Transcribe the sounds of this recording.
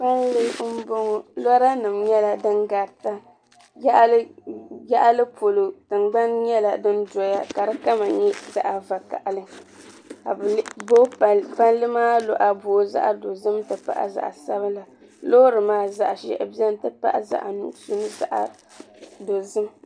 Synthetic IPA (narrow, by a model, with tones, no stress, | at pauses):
k͡pa˦nlɨ˦m̩˦bo˦ŋɔ˨lɔ˦ɾa˦nɨ˨mɲɛ˦la˨dɨ˦nɡa˨ta˦ | ja˦ʔlja˦ʔa˦lɨ˦po˨lo˨tɨ˨ŋ͡mɡ͡ba˦nɲɛ˦la˨dɨ˦ndɔ˦ja˦ka˨ɾɨ˦ka˦ma˨ɲɛ˦za̰˦ʔa˨va˨ka̰˨ʔa˨lɨ˦ | ka˨bbo˦pa˦nlɨ˦maː˦lo˨ʔa˨boː˨˦za̰˦ʔa˦do˨zɨ˦mtɨ˨pa̰˦ʔa̰˨za̰˨ʔa̰˨sa˦βa˦la˨ | loː˦ɾɨ˨maː˦za˦ʔa˨ʃɛ̰˨bi˦ɛ˦n˨tɨ˦pa̰˦ʔa˨za̰˨ʔa˨nṵ˨ʔso˦nɨ˦za̰˦˨ʔa̰˨ | do˨zɨ˦m